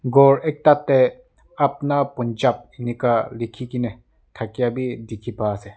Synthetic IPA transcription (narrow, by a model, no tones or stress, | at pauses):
ɡɔɾek̚tat̪ːe | ap̚napɔnd͡ʒap̚enikalikʰikine | tʰakijabidikʰipaːse